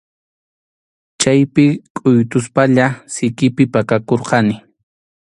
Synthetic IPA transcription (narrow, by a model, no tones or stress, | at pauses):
t͡ʃajpɪkʼʊjt̪ʊspaʎasɪkɪpɪpakakoɾqɑnɪ